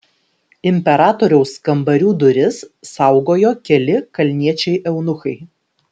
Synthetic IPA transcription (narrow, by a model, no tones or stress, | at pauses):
ɪmʲpʲɛɾɑːt̪oːɾʲɛʊskɐmbɐɾʲuːd̪ʊɾʲɪsːɐˑʊɡoːjoːkʲɛlʲɪkɐlʲnʲiɛt͡ʃʲɛɪʔɛʊnʊxɐɪ